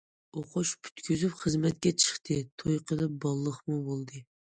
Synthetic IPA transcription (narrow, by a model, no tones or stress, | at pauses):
oqʰʊʃpʰy̥t̪kʲyzypχəzmɛt̪̚kʲɛt͡ʃʰə̥χt̪ʰɨt̪ʰojqʰəlˠɨp̚bɑlˠːəχmubolˠd̪ɨ